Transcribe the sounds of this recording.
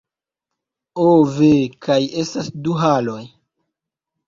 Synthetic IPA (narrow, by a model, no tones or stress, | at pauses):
ovekʰaje̞stasduɦalo̞j